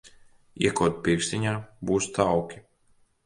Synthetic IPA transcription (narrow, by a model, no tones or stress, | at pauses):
ḭɛkuɔt̪̚pʲiɾkst̪iɲaːbuːst̪awkʲi̥